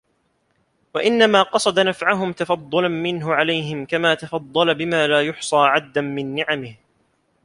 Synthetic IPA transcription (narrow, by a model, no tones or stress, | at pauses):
waʔɪnːamaːqɑsˤɑd̪anafʕaɦʊmt̪ɑfɑd̪ˤːʊlanmɪnɦʊʕalajɦɪmkamaːt̪ɑfɑd̪ˤːɑlabɪmaːlaːjʊħsˤɑːʕad̪̚ːanmɪnːɪʕamɪh